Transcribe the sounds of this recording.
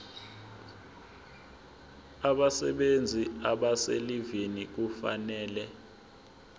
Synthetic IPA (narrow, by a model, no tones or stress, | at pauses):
aɓasɛ̰ɓend͡zʱiaɓaselivinik̬ufa̰nɛːlɛ